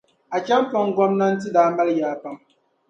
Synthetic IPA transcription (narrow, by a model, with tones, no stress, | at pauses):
a˨t͡ʃa˦mpɔ˦ŋ˦ɡɔ˦mna˦n̩˦tɨ˦daː˨˦ma˦ljaː˨˦pa˦m